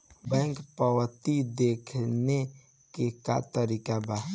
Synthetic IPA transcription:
bɛ̃ːŋkpəwət̪id̪ekʰne | keka̰t̪əɾiːkaba

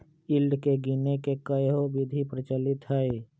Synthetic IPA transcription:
ɪlɖkeɡinekekəjɦobɪd̪ʱipɾət͡ʃəlɪt̪ɦɛe

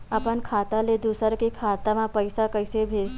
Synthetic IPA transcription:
əpənkʰat̪aled̪usəɾkekʰat̪amãpəɪsakəjsebʱed͡z

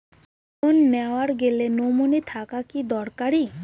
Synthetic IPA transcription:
onːɛwaɾɡelenomunit̪ʰakakid̪ɔɽkaɽi

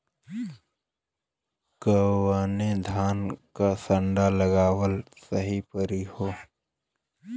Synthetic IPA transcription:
kəwaːnẽd̪ʱaːnkasə̃ɳɖaləɡaːwəl | səɦipəɾihoː

